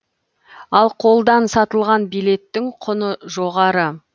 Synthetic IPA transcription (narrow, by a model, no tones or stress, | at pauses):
ɑlˠqʰo̞lˠd̪ɑnsɑt̪əlˠʁɑnbijle̞t̪ːɪŋqʰʊnəʒo̞ʁɑɾə